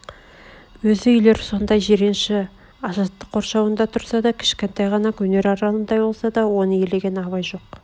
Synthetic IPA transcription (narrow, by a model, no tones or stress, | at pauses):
wɵzɪʏjle̞ɾso̞nd̪ɑjʒeɾenʃɪ | ɑzɑt̪ːəqʰːo̞ɾʃɑwənd̪ɑt̪ʰʊɾsɑd̪ɑkʲʰɪ̥ʃkʲe̞nt̪ɑjʁɑnɑkʲʰɵne̞ɾɑɾɑlˠənd̪ɑjbo̞lˠsɑd̪ɑwo̞nəje̞le̞ɡʲenɑβɑjʒo̞q